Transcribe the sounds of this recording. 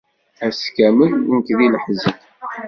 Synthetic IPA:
æskæmənənkðiləħzət̪

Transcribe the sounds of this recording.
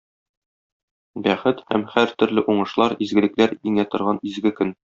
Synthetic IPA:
bæχɘt̪hæmhæɾt̪ɵ̆ɾlɘʔuɴɤ̆ʃlˠɑɾizɡɘ̆lɘ̆klæɾiŋæt̪ŏɾʁɑnizɡɘkɵn

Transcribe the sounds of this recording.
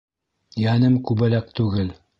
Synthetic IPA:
jænɘmkʉbɘ̆lækt̪ʉɡɘl

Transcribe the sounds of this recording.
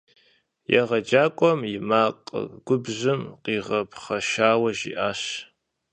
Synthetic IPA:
jɛ̰ʁɐd͡ʒaːkʷʼɔmjɪmaːqʼə̰ɡʷʊbʑɨmqiːʁɐpʰχɐʃaːwɐʒḭːʔaːʃ

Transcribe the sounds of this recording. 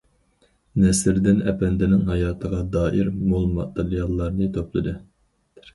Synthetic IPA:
nɛsɪɾd̪ɪnɛpɛnd̪ɪnɪŋɦɑjɑːt̪ʰəʁɑd̪ɑːʔiɾmolˠmɑ̰t̪eɾijɑlˠːɑɾnɨt̪ʰoplˠɨd̪ɨ

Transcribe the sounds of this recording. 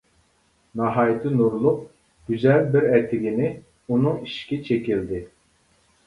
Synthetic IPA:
nɑɦɑːjt̪ʰɪnuɾlˠʊq̚ | ɡ̥ʲyzɛlbiɾɛt̪ʰɪɡʲinɪ | unuŋiʃkʲit͡ʃʰekʲilʲd̪ɪ

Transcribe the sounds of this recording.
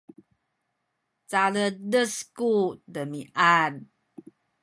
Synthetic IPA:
t͡salədəskudəmiʔad

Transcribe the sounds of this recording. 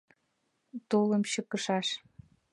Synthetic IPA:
t̪oləmɕəkə̆ʃɑʃ

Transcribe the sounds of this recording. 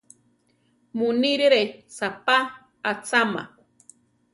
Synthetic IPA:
muniɾeɾesapa | at͡sama̰

